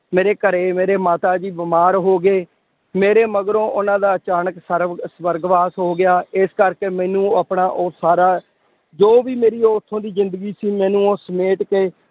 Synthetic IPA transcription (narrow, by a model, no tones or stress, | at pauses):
meːɾeːkəɾeːmeːɾeːmaːt̪aːd͡ʒiːbɪmaːɾɦoːɡeː | meːɾeːməɡɾõːʔʊnãːd̪aːt͡ʃaːnəksəɾsʋəɾɡʋaːsɦoːɡɪjaːɪskəɾkeːmɛ̃ːnũːəːpɳaːʔoːsaːɾaː | d͡ʒoːʋiːmeːɾiːoːʊt̪ʰːõːd̪iːzɪ̃nd̪əɡiːsiːmɛ̃ːnũːoːsəmeːʈkeː